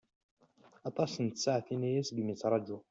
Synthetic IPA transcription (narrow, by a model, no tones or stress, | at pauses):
ɑt̪ˤɑsənt̪saʕθinæjæsɡmit͡sːɾˤɑd͡ʒu